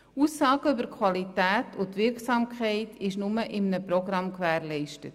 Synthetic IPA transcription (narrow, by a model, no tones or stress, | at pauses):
uːsːɑːɡ̥əʏbəɾkʰʋɑlitæːtʰʊt̪ʋɪɾksɑːmkʰχɛɪtʰɪʃnʊməʔɪmnəprɔɡɾɑmkʋæːɾlɛɪʃtət